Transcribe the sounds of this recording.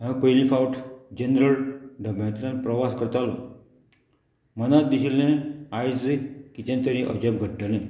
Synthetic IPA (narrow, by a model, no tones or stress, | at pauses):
ɦãpəjlĩfawʈʰd͡ʑenɾəlɖʱəbãt̪lə̃npɾəʋaskəɾt̪alɔ | mənat̪d̪iɕilẽajd͡zekit̪ẽnt̪əɾĩʔə̰d͡ʑəb̚ɡʱəʈːəlẽ